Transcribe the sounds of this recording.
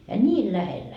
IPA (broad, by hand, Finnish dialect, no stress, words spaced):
jɑ nʲiːl læhelːæ